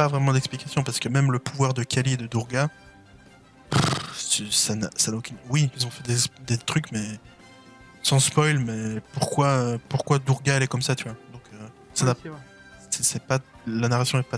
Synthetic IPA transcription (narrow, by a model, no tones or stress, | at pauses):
pavʁɛmɑ̃d̪ɛksplikasjɔ̃paʁsə̥kəmɛmləpuvwaʁd̪əkʰʲalied̪əd̪uʁɡa | ssana̰sanaokʲynwiizɔ̃fɛd̪ed̪et̪χykmɛ | sɑ̃spɔjlmɛpuʁkwaøpuʁkwad̪uʁɡaɛlɛkɔmsat̪yvwad̪ɔ̃kø | sana | sɛsɛpalanaʁasjɔ̃ɛpa